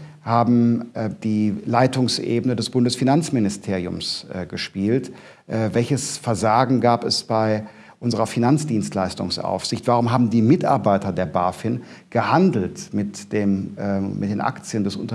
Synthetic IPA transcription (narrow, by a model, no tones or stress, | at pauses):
haːbm̩d̥iːlaɪtʊŋsʔḛːbənədɛsb̥ʊndəsfinant͡smɪnɪstʰeːʁiʊmsɡəʃpiːlt | ʔvɛlçəsfɛɐzaːɡŋ̩ɡaːpɛsb̥aɪ | ʔʊnzəʁɐfinant͡sd̥iːnstlaɪstʊ̰ŋsʔa̰ʊfz̥ɪçtv̥aʁ̞ʊmɦaːbm̩diːmɪtʔa̰ɐbaɪtɐdeːɐbaːfɪnɡ̥əhandl̩tmɪtd̥eːmmɪt̚d̥eːnʔa̰kt͡sjəndɛsʊ̰ntɐ